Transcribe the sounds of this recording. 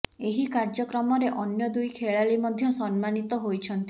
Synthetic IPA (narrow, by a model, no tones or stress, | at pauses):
eɦikaɾd͡ʒɔkɾɔmɔɾeʔɔnjɔd̪ujkʰeɭalimɔd̪ʱjɔsɔnmanit̪ɔɦojt͡ʃʰɔnt̪i